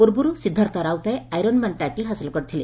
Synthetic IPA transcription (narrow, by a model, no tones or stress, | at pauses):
puɾbuɾusid̪ʱːaɾt̪ɔɾawt̪aɾeajɾɔnmaɳʈajʈelɦasilkɔɾit̪ʰili